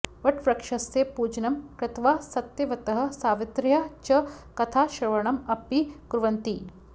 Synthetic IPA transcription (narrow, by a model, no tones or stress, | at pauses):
ʋɐʈʰʋɾɐkʂɐsjepuːd͡ʒnɐmkɾɪt̪ʰʋaːsɐt̪jɐʋɐt̪ɐɦɐ̆saːʋɪt̪ɾjat͡ʃɐkɐt̪ʰaːʃɾɐʋɐɳɐmɐpːikɾuʋɐnt̪i